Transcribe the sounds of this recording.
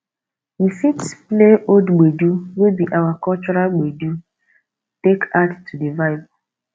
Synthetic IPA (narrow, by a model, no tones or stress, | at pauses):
ifitspleʔodɡ͡beduwebiʔawakɔt͡ʃɔɾalɡ͡bedu | tekattʰːudevaɪbɔ